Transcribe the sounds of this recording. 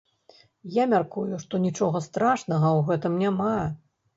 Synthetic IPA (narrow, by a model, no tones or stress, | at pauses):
jamʲarkujuʂt̪ɔnʲit͡ʂɔɣɐst̪ɾaʂnɐɣɐwɣɛt̪ɨmnʲama